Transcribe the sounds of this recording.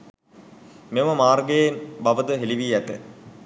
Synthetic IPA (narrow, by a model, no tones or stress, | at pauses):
meməmaːrɡejenbaʋəd̪əɦeliʋiːæt̪ə̰